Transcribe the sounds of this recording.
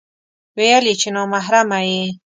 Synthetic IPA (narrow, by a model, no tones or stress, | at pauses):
wejalit͡ʃenɑmaɦɾamaje